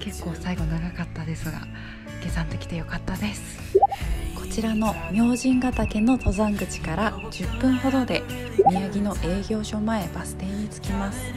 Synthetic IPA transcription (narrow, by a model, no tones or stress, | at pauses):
ke̞kːo̞ːsaiɡo̞naɡakat̪ːad̪e̞sɨɡa̰ | ɡ̥e̞sãnt̪e̞kʲi̥t̪e̞jo̞kat̪ːad̪e̞sɨ̥ | kʰo̞̥t͡ɕiɾano̞mʲjo̞ːʑĩŋɡat̪akẽ̞nːo̞t̪o̞zãŋɡɯ̟t͡ɕi̥kaɾa | d͡ʑɨpːɯ̟̃ŋ̃ho̞d̪o̞d̪e̞ | mʲijaɡʲino̞ʔe̞ːɡʲo̞ːɕo̞mae̞basɨ̥t̪ẽ̞ɲ̟it͡sɨ̥kʲimasɨ̥